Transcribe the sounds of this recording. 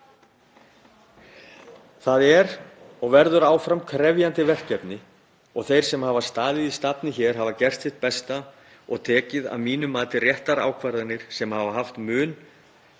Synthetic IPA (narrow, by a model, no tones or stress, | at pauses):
θaðɛɾ | ɔɣvɛɾðʏɾaːwfɾamkʰɾɛvjant̪ɪvɛr̥cɛpnɪ | ɔɣθejɾ̥sɛmhaːvaɾ̥st̪aːðɪðist̪apnɪçɛɾ̥ɦaːvacɛr̥t̪sɪht̪̚pɛst̪a | ɔɣt̪ʰɛːcɪða̰ðmiːnʏmːaːt̪ɪrjɛht̪aɾa̰ːwkʰvaɾðanɪɾ̥sɛmhaːvaɦaft̪mʏːn